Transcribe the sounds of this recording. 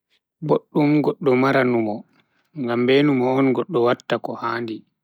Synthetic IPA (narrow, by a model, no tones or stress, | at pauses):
boɗːumɡɔɗːɔmaɾanumɔ | ŋɡambeːnumɔːnɡɔɗːɔwatːakɔhaːndi